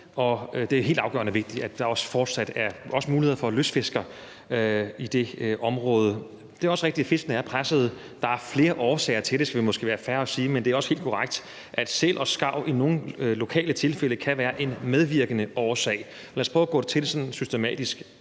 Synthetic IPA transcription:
ɒ̽d̥e̝æjɦḛːld̥ɑ̈ʊɡ̥ɶ̰ɐnəʋe̝ɡ̥̚d̥iæd̥ɑ̈ɒ̽sə̥fɒːd̥sæd̥æɐɒ̽səmuːlihe̝ð̰ˠfɒløsfe̝sɡ̥ɐ | id̥e̝ʔɒ̽mʁɔ̽ːð̞ˠə | d̥e̝æɐɒ̽səʁeɡ̥̚d̥i̥æfe̝sɡ̥ənəæɐpʰʁasəð̞̩ˠ | d̥ɑ̈æɐfle̝ːɐʔɒːsɛ̰ɪɐt͡sʰe̝ld̥e̝sɡ̥æʋemo̽sɡ̥e̝̰ːʋæːɐfæɐɒ̽siːmend̥e̝æɐɒ̽səhe̝̰ld̥kʰɒʁaɡ̥̚d̥ | ʔæd̥sel̰ʔɒ̽sɡ̥ɑ̈ʊ̰ʔino̝ːn̩lo̝kʰɛ̰ːlət͡sʰe̝lfel̰əkʰæʋæːɐʔe̝nmeð̞ˠʋiɐɡ̥ənəʔɒːsɛ̰ɪ | ɒlæːɐspʰʁɔːɡ̥ɔ̰̥̽ːet͡sʰe̝desɒ̽nn̩sysd̥emɛ̰ːd̥isɡ̥

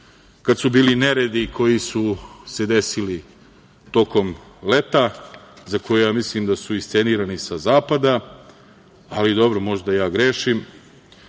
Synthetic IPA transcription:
kad̪subiːlineɾed̪ikʰo̞jisuse̞d̪e̞sili | t̪o̞ko̞m | le̞t̪azakojujaːmislimd̪asuist̪se̞niːɾanisazaːpad̪a | alid̪o̞bɾomo̞ʒd̪ajaːɡɾeːʃim

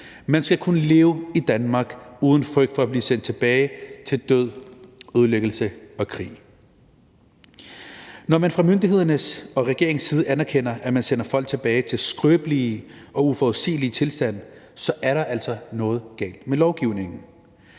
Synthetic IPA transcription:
mænsɡ̥ækʰunəle̝ːʊid̥ænmɑ̈ɡ̥uːð̞ˠn̩fʁœɡ̥d̥fɒ̽æb̥liːsend̥̚t͡sʰe̝b̥ɛːɪt͡sʰe̝ld̥øð̰ˠøð̞ˠløɡ̥l̩səɒ̽kʰʁḭː | nɒmænfʁɑ̈mønd̥ihe̝ð̞̰ˠɐnəsɒ̽ʁɛɡ̥e̝ɐe̝ŋsːiːð̞̩ˠəʔænæɐkʰen̰ɐʔæmænsen̰ɐfɒ̽l̰ɡ̥̚t͡sʰe̝b̥ɛːɪt͡sʰe̝lsɡ̥ʁøːb̥liʔɒ̽ufɒʊðˠsḭːlit͡sʰe̝lsd̥æn̰ | sɒ̽ʔæɐɾɑ̈ʔæl̰sɒ̽nɔ̽ːð̞̩ˠɡ̥ɛ̰ːld̥melɒʊɡ̥iʊ̰ne̝ŋn̩

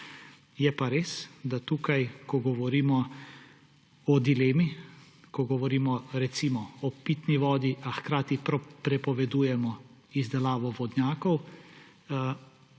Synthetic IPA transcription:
jɛpaɾeːsd̪at̪uːkajkɔɡɔʋɔɾiːmɔ | ɔd̪ilɛːmi | kɔɡɔʋɔɾiːmɔɾɛt̪simɔɔpit̪niʋɔːd̪iʔaxkɾaːt̪ipɾɔpɾɛpɔʋɛd̪uːjɛmɔ | izd̪ɛlaːʋɔʋɔd̪nʲjaːkɔw

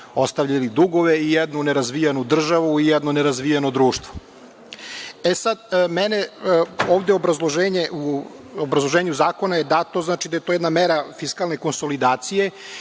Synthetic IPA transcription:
o̞st̪aʋʎalid̪uɡo̞ʋeijɛd̪nuneɾazʋijanud̪r̩ʒaʋuijɛd̪noneɾazʋijanod̪ɾuːʃt̪ʋo | esad̪meneoːvd̪eobɾazlˠoʒeːɲeʔuobɾazlˠo̞ʒeːɲuzaːko̞najed̪at̪oznaːt͡ʃid̪ajet̪ojɛd̪nameɾafiskalˠneko̞nso̞lid̪aːt̪sije

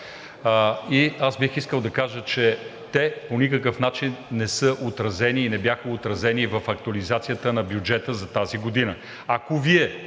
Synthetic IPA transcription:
iasbixiskəlˠd̪ɐkaʒət͡ʃɛt̪ɛponikəkəfnat͡ʃinːɛsɤʔot̪ɾɐzɛniːnɛbjaxəot̪ɾɐzɛnivɐfɐk̚t̪uɐlizat̪sijət̪ənɐbjud͡ʒɛt̪əzɐt̪aziɡod̪inə | akoviɛ

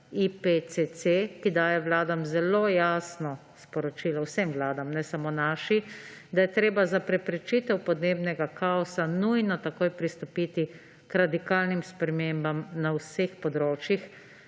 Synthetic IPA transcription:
ipet͡s̪esekid̪aːjɛwlaːd̪amzɛloːjaːsnɔ | spɔɾɔt͡ʃiːlɔwsɛmʋlaːd̪amnɛsamoːnaːʃi | d̪ajɛt̪ɾeːbazapɾɛpɾɛt͡ʃit̪ɛwpɔd̪neːbnɛɡakʰaɔsanujnɔt̪akoːjpɾist̪ɔpiːt̪i | kɾad̪ikaːlnimspɾɛmeːmbamnawsexpɔd̪ɾoːt͡ʃjix

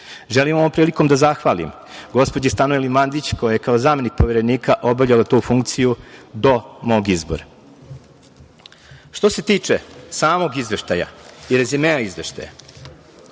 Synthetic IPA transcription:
ʒelimaoʋompɾiːliko̞md̪azaxʋalḭm | ɡo̞spod͡ʑist̪anoelimand̪it͡ɕko̞jaje̞kaozaːme̞nik̚po̞ʋeɾe̞niːkaʔo̞bavʎʲalat̪uːfuŋk̚t̪sijud̪o̞mo̞ːɡizboɾa | ʃt̪o̞se̞t̪iːt͡ʂe̞saːmo̞ɡizʋe̞ʃt̪aja̰iɾezimeaizʋe̞ʃt̪a̰ja̰

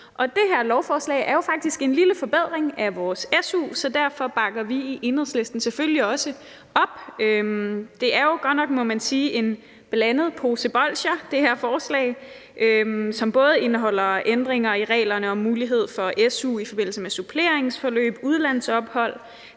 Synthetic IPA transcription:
ʔɒ̽d̥e̝ɦeɐ̰lɒʊfɒːslɛ̰ɪʔæɐjo̝fɑ̈ɡ̥̚d̥isɡ̥e̝nliləfɒ̽b̥eð̞̰ˠʁeŋæʋɒːsesṵsɒ̽d̥æɐ̰fɒ̽b̥ɑ̈ɡ̥ɐʋiiʔe̝nheðˠsle̝sd̥n̩sefølliɒ̽sə | ɒ̽b̥ømd̥e̝ʔæɐjo̝ɡ̥ɒnɒ̽ɡ̥mɔ̽mænsiːʔe̝n | b̥elænð̞̩ˠpʰo̝seb̥ɒlɕɐd̥e̝heɐ̰fɒːslɛ̰ɪ | ʔøsɒ̽mb̥ɔ̽ːð̞ˠe̝nəɦɒ̽l̰ɐend̥ʁeŋɐiʁɛ̰ːlɐnəɒ̽mːuːliɦe̝ð̞̰ˠfɒ̽ʔesṵːifɒ̽b̥e̝n̰l̩səmesupʰle̝ɐ̰e̝ŋsfɒlø̰ːb̥uð̞ˠlæn̰ð̩sɒ̽b̥hɒ̽l̰

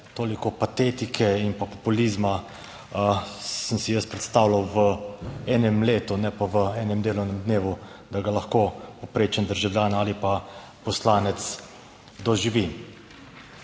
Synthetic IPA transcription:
t̪oːlikɔpat̪eːt̪ikʰɛinpapɔpulizma | səmsijəst̪pɾɛt̪st̪aːwlawʋəɛːnɛmleːt̪unɛpaʋəɛːnɛmd̪eːlɔwnɛmd̪neːʋu | d̪aɡalaxkoːpopɾeːt͡ʃɛnd̪əɾʒawljaːnaːlipa | pɔslaːnɛt̪s | d̪ɔʒiʋi

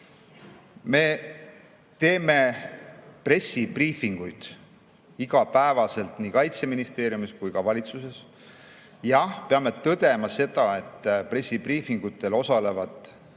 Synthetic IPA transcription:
me̞ | t̪e̞ːme̞ | pre̞sːipriːfiŋɡ̥ujd̪̥ | iɡ̥ɑpæevɑse̞lt̪nikɑjt̪se̞minist̪e̞ːɾjumiskujkɑvɑlʲit̪suse̞s | jɑpe̞ɑme̞t̪ɤd̪̥e̞mɑse̞d̪̥ɑe̞t̪ːpre̞sʲːipriːfiŋɡ̥ut̪ːˑe̞lo̞sɑle̞vɑd̪̥

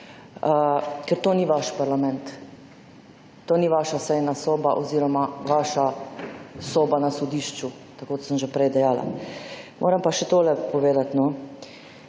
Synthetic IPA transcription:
əkɛɾt̪oːniʋaʃpaɾlamɛnt̪ | oːniʋaːʃasɛjnasoːbaʔɔziːɾɔmaʋaːʃa | soːbanasɔd̪iːʃt͡ʃu | t̪akoːd̪asəmʒepɾɛjd̪ɛjaːla̰mʔo̰ːɾəmpaʃɛt̪oːlɛpɔʋeːd̪at̪nɔ

